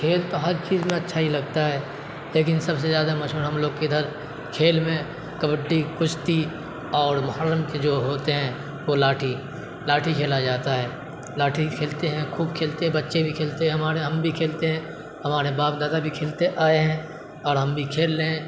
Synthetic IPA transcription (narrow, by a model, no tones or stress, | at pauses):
kʰeːlt̪oɦɐɾt͡ʃiːzmẽɐtːʃʰaɦilɐɡ̚t̪aɦɛː | leːk̬ɪnsɐbs̬ezjaːd̪amɐʃɦuːɾɦɐmloːɡked̪ʱəɾ | kʰeːlmẽ | kəbəɖːikʊʃt̪i | ɔːɾmʊɦaːɾːəmked͡ʒoːɦoːt̪eɦɛ̃ | ʋolaːʈʰi | laːʈʰikʰeːlad͡ʒaːt̪aɦɛː | laːʈʰikʰeːlt̪eɦɛ̃kʰuːb̚kʰeːlt̪eɦɛ̃bɐtːʃebʱikʰeːlt̪eɦɛ̃ɦɐmaːɾeɦɐmbʱikʰeːlt̪eɦɛ̃ː | ɦɐmaːɾebaːp̚d̪aːd̪abʱikʰeːlt̪eʔaːeɦɛ̃ | ɔːɾɦɐmbʱikʰeːlːẽ